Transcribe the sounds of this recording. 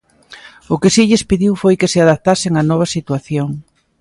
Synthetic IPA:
ʊkɪsiʎɪspiðiwfojkɪsɪaðap̚t̪asɪŋɐnɔβ̞ɐsit̪waθjoŋ

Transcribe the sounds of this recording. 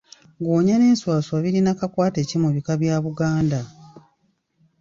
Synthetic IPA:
ɡoːɲane̞ːnswaːswaβiɾinakakwaːte̞cimuβikaβjaːβuɡaːnda

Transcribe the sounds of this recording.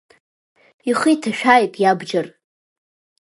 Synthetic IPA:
iχijtʰaʃᶣajpʼjabd͡ʒar

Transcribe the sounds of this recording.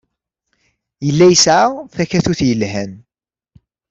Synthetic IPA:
jəlːæjəsʕaθæçæθuθjəlɦæn

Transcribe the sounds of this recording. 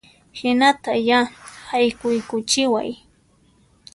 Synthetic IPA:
hɪnat̪ajahajkʊjkʊt͡ʃɪwa̰j

